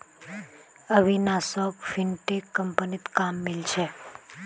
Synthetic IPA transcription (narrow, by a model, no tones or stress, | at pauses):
əʋinasɔkfinʈekːəmpənit̪kamːilt͡ʃʰe